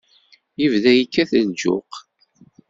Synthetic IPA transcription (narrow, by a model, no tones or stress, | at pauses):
jivðæjikːæθənd͡ʒʊ̰q